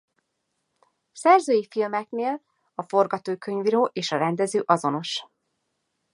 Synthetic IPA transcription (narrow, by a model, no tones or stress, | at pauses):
sɛrzøːjifilmɛkneːl | ɒfo̞rɡɒt̪oːkø̞ɲviɾoːʔeːʃɒɾɛnd̪ɛzøːʔɒzo̞no̞ʃ